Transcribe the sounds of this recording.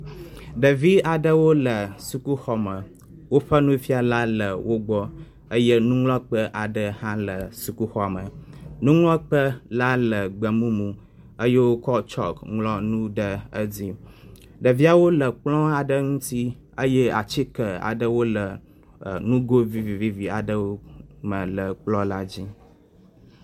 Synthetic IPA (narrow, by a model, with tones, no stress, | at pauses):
ɖə˨vi˦a˨ɖə˦wo˦lə˨su˨ku˦xɔ˨mə˨ | wo˦ɸə˦nũ˦fi˦a˨la˦lə˨wo˦ɡ͡bɔ˦ | ə˦jə˦nũ˦ŋlɔ̃˦k͡pə˦ʔa˨ɖə˦hã˦lə˨su˨ku˦xɔ˦˨a˨mə˨nũ˦ŋlɔ̃˦k͡pə˦la˦lə˨ɡ͡bə˨mũ˦mũ˨ | ə˦je˦wo˦kɔ˦t͡ʃɔ̰˦kŋlɔ˦nũ˦ɖə˨ə˦d͡zi˦ | ɖə˨vi˦a˨wo˦lə˨k͡plɔ̃˦a˨ɖə˦ŋũ˦t̪i˦ | ə˦jə˦a̰˨t͡ɕi˦kə˨a̰˨ɖə˦wo˦lə˨ | nũ˦ɡo˦vi˦vi˨vi˦vi˨a˨ɖə˦wo˦mə̃˨lə˨k͡plɔ˦la˦d͡ʑi˦